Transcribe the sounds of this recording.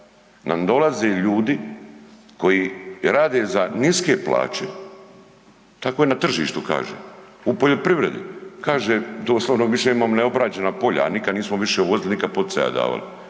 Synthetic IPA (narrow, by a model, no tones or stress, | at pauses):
namd̪o̞lazeʎuːd̪i | ko̞jiɾaːd̪ezaniske̞pla̰ːt͡ʃe | t̪akoenat̪r̩ʒḭːʃt̪uka̰ːʒḛupoʎo̞pɾiʋɾe̞d̪ḭkaːʒed̪oːslaʋnoʋiʃeimaːmneo̞bɾat͡ɕe̞napo̞ʎa̰ːnikad̪niːsmoʋiʃeuʋozilinikad̪̚pod̪seja̰d̪a̰ːʋa̰li